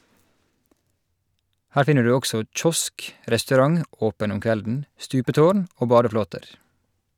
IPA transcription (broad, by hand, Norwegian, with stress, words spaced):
ˈhæːɹ ˈfɪnə ˈɖʉː ˈɔɡsɔ ˈc͡çɔsk ʔɾɛstʉˈɾɑŋ ˈʔoːpən ˈʊm ˈkʋɛldn̩ ˈstʉːpəˌtoːɳ ˈoː ˈbɑːdəˌfloːtəɾ